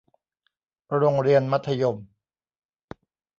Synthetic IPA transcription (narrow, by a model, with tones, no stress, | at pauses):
ɾo˧ŋɾi˧ənma˦˥t̪ʰːa˧jo˧m